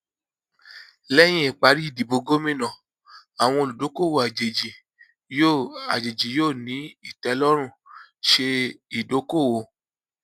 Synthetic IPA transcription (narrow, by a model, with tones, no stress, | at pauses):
lɛ˦j̃ĩ˦i˨k͡pa˨˧˦ɾi˦i˦˨di˨bo˧ɡo˦mĩ˦˨nã˨ | a˨w̃ɔ̃˧o˧lu˨do˨˦ko˦˨wo˨a˨d͡ʒe˨d͡ʒi˨ | jo˦˨a̰˨d͡ʒe˨d͡ʒi˨joː˦˨nĩ˨˦i˦˨tɛ˨˧˦lɔ˦ɾ̃ũ˦˨ʃe˧i˨do˨˦ko˦˨wo˨˧˦